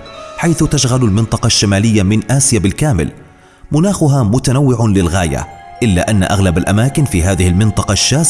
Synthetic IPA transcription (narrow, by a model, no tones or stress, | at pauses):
ħajθʊt̪aʃɣalalmɪnt̪ˤɑqɑʃːamaːlɪjːamɪnʔaːsɪjabɪlkaːmɪ̰l | mʊnaːxʊɦaːmʊt̪anawːɪʕʊlɪlɣaːja̰ | ʔɪlːa̰ːʔanːa̰ʔaɣlabalʔa̰maːkɪnfiːɦaːðɪhɪlmɪnt̪ˤɑqɑʃːaː